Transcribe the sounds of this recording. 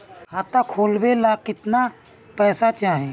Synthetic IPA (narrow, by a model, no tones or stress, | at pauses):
hat̪akʰoːlbelakɪt̪na | pɛːsat͡ʃaːɦẽ